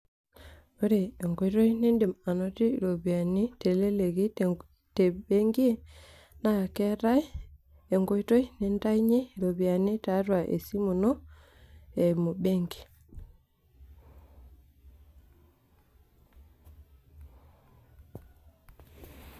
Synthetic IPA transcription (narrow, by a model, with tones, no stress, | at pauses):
o˦ɾe˨e˨ŋɡo˨˦to˦ini˦ndi˨ma˨no˦ti˦˨ɾo˨bi˨a˨ni˦te˨le˦le˨ɡi˦ | te˨be˦ŋɡi˦e˦ | na˦a˨ke˦ɾa˦j | e˨ŋɡo˦jto˦i˦ni˨nta˦jɲi˦˨ɾo˨bi˨a˨ni˦ta˨˦ɾwa˨ʔḛ˨si˦mu˨no˦ | e˨mo˨be˦ŋɡi̥˨